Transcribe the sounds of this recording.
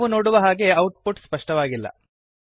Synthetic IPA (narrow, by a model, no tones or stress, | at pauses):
ʋuno̞ːɽuʋɐɦaːɡe̞ɐwʈ̚puʈspɐʂʈɐʋaːɡilːɐ̰